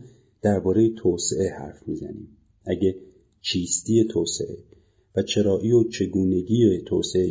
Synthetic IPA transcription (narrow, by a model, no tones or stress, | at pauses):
d̪̥æɾbɒːɾejet̪ʰoːseʔe̞hæ̰ɾfmiːzæ̰nḭːm | ʔæɟe | t͡ʃʰiːst̪iːe̞t̪ʰoːsḛʔḛ | væt͡ʃʰe̞ɾɒːʔijot͡ʃʰe̞ɡuːne̞ɡiːet̪ʰoːsee